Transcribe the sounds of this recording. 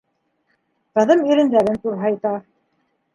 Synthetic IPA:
qɤ̆ðɤmiɾɘ̆nd̪æɾɘnt̪uɾɦɑjt̪ɑ

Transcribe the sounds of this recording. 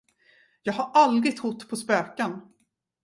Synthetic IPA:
jɑːɡhaɾʔald̪ɾɪɡ̚t̪hʊt̪ːpʰɔspøːkan

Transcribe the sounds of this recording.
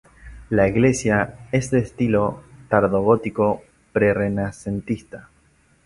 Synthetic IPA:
laiɣle̞sjae̞zðeːst̪ilo̞t̪aɾðo̞ɣot̪iko̞ | pɾe̞re̞nase̞nt̪ist̪a

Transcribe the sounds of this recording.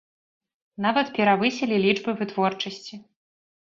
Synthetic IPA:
navɐt̪pʲɛɾavɨsʲɛlʲilʲid͡ʐbɨvɨt̪vɔrt͡ʂɐsʲt͡sʲi

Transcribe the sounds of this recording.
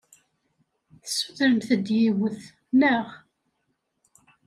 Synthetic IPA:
θəsːuðɾənθəd̪jiwəθ | nəʁ

